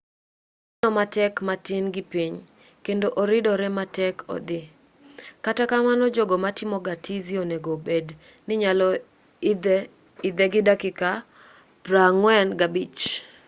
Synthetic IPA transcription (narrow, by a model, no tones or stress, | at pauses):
nɔmatɛkmatɪnɡɪpiɲ | kendoʔoɾɪdɔɾɛmatɛkʰɔ̰d̪ɪ | katakamanɔd͡ʒoɡɔmatɪmɔɡatizioneɡobed | nɪɲalɔ | ɪd̪ɛɡɪdakɪka | pɾaŋwɛnɡabit͡ʃ